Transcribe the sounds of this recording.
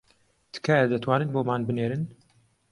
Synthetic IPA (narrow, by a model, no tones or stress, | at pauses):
d̪̥ɨ̥kʰajɛd̪ɨt̪ʰwaːnɨnboːmaːnbɨneːɾɨn